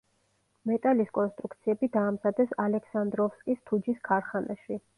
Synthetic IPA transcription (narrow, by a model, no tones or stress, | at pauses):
mɛt̪ʼaliskʼɔnst̪ʼɾukt̪sʰiɛbid̪aːmzad̪ɛsalɛkʰsand̪ɾɔfskʼist̪ʰud͡ʒiskʰaɾχanaʃwi